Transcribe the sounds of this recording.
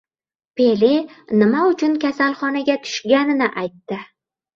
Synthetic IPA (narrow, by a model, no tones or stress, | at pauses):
pe̞linɪmaʊt͡ʃʰʊnkʲʰasalˠχɒnaɡʲat̪ʰʊ̥ʃɡʲanɪnɪʔajt̪ːɪ